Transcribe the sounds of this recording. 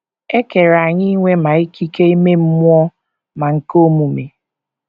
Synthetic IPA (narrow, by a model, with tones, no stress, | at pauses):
e˦ke˨ɾa˨ɲɪ˦ŋʷe˦ma˨i˦ki˦ke˦i˦me˦m̩˦mʊ˦ɔ˦ | ma˨ŋ̩˨ko˦mu˨me˨